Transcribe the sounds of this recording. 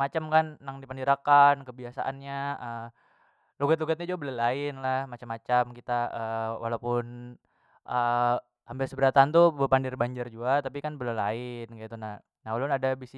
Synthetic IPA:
mat͡ʃamkanːaŋdipandiɾakankəbiasa̰ʔa̰nɲaʔə | luɡat̪luɡat̪̚ɲad͡ʒuɡabəlalaɪnlahmat͡ʃamːat͡ʃamkit̪aəwa̰lapʊn | ʔə | ambɪlsəbəɾat̪ant̪ubəpandɪrbaɲd͡ʒɪrd͡ʒuɡat̪apikanbəlalaɪnkait̪unah | naalʊnadabisi

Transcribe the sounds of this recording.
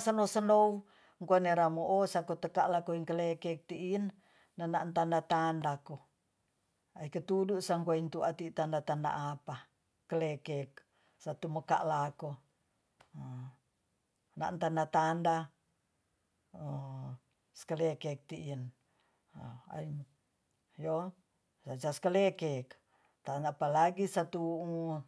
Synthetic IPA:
sənosənou | ŋkuaneɾamoʔosakot̪əkaʔlakoiŋkəlekek̚t̪iʔinː | anaʔnt̪andat̪andako | aikət̪uduʔsaŋkuaint̪uat̪it̪andat̪anda̰ʔapa | kəlekek̚ | sat̪uməka̰ʔlako | na̰ʔnt̪andat̪anda | ə | skəlekek̚t̪iʔiən | a̰i | jo | sat͡ʃaskəlekek | t̪anapalaɡisat̪uu

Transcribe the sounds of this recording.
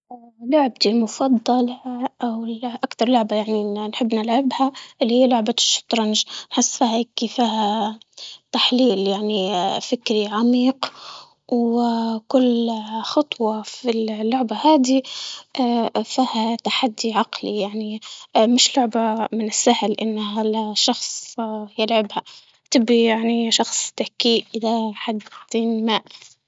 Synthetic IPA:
lʊʕb̚t̪ilmʊfɑd̪ˤːɑlʔawɪʔakt̪ɑɾˤlʊʕbajaʕninħɪbːnɪlʕɪbhaʔɪlːihijːalʊʕbaʃːʊ̥t̪ɾˤɑnʒnħɪsːfiːheːkːifiːɦa | t̪aħliːljaʕnifɪkɾiʕamiːq | wkʊlxɑt̪ˤwɑfillːʊʕbahaːd̪iʔfiːhat̪aħad̪ːiʕɑqlijaʕnimɪʃlʊʕbamɪnɪsːahlʔɪnːɦalaʃɑxsˤjɪlʕaɪbha | t̪ɪbːijaʕniʃɑxsˤt̪ahkiːʔʔɪðaħad̪iːnmaʔ

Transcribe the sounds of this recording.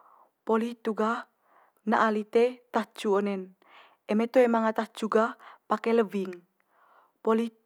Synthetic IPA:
poliht̪uɡah | na̰ʔalit̪et̪ahd͡ʒ̥uonɛn | ɛmɛt̪oemaŋat̪ahd͡ʒ̥uɡahpakɛləviŋ | poli

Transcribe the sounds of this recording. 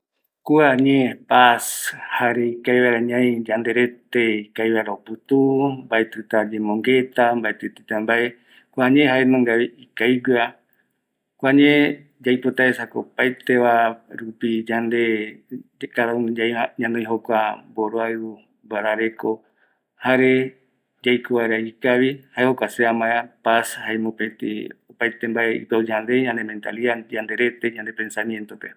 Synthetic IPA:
kuaɲẽpashaɾeikajβajɾaɲãjd͡ʒand̪eɾet̪eikajβajɾaopɨt̪umbaet̪ɨt̪ad͡ʒẽmõŋɡe̞t̪ambaet̪ɨt̪it̪ambae | kʷuaɲeɦaenõŋɡaβiikajɡɨa | kʷaɲẽ | d͡ʒajpot̪aesakopajt̪eβaɾupid͡ʒand̪e | kaɾaud͡ʒajaɲãnõj̃ɦokʷaboɾoaɨu | baɾaɾe̞ko | haɾe | d͡ʒajkoβaeɾaikaβihaehokʷaseamãeapashaemõpẽt̪ḭopajt̪embaʔeḭpad͡ʒand̪e̞ɲãnd̪emẽnt̪a̰liad͡ʒand̪e̞ɾe̞t̪e̞ɲãnd̪e̞pẽ̞nsamjent̪ope

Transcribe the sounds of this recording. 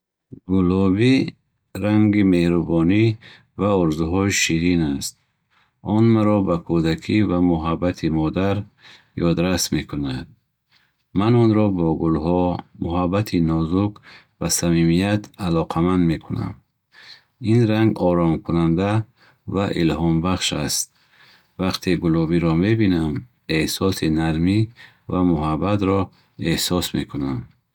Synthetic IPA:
ɡulɔbi | ɾaŋɡime̞hɾubɔni | vaɔɾzuɦɔʃiɾinast̪̚ | ɔnmaɾɔbakʰud̪akʰivamuɦabːat̪ʰimɔd̪aɾ | jɔd̪ɾasme̞kʰunad̪̚ | manɔnɾɔbɔɡulhɔmuɦabːat̪ʰinɔzuk | vasamimijat̪ʰalɔqʰamand̪me̞kʰuna̰m | inɾaŋɡɔɾɔmkʰunand̪a | vaʔilhɔmbaχʃast̪̚ | vaqt̪ʰeɡulɔbiɾɔme̞binam | e̞hsɔsinaɾmi | vamuɦabːat̪ɾɔ | e̞hsɔsme̞kʰunam

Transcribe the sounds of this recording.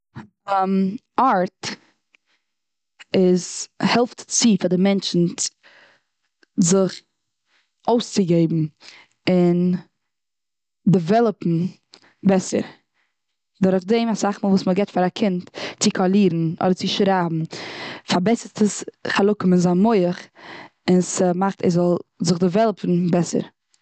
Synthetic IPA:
m | aɾt | ɪzhɛlˠftt͡sifadɪmɛnt͡ʃn̩ | zɪχ | oʊst͡sɪɡeɪbm̩ | ɪn | dəvɛlˠəpm̩ | bɛsə̰ɾ | dʊɾχdeɪmasaχmuːlˠvuːsməɡɛtfaɾakʰɪntt͡sɪkʰɔlˠiːɾn̩ʔɔ̰dəɾt͡sɪʃɾaːbm̩faɾbɛsətəsχalˠʊkʊmɪnzamoɪəχ | ɪnsəmaχtɛ̰zɔlˠzɪχdəvɛlˠpʰn̩bɛsə̰ɾ

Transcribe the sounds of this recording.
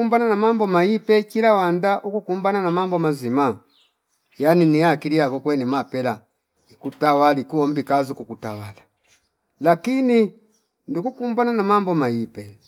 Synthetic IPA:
umbananamambɔmaipɛkilawandaʔukukumbananamambɔmazima | janiniakiliakɔkwɛnimapɛla | ikutawalikuɔmbikazukukutawala | lakini | ndukukumbananamambɔmaipɛ

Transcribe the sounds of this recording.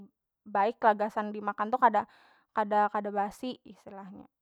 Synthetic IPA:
baɪkːlaɡasandimakant̪ukada | kadakadabasiʔist̪ilahɲa̰

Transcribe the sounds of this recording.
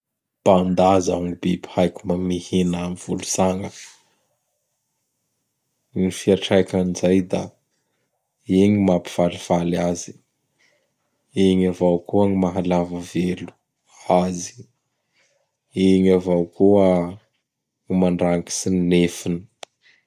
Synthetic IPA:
pand̪aza̰ŋibibihajkumamihenamiv̥ulusaŋə | ɲifiaʈ͡ʂajkanizajd̪a̰ | eɲimapi̥v̥aliv̥alazi̥ | eɲavawkuaŋimaɦalavəvelu̥ | azi̥ | eɲavawkuə | ŋimaɳɖ͡ʐaŋki̥sinnefini̥

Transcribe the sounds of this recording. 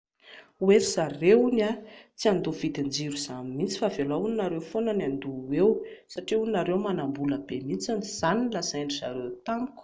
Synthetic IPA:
uesaɾeunat͡siand̪ov̥it̪and͡ziɾuz̥anmint͡si̥favelauninaɾewfonanand̪uwewsaʈ͡ʂiuninaɾewmanambuləbemit͡saniz̥aninlaseɳɖ͡ʐiza̰ɾewt̪aŋku̥

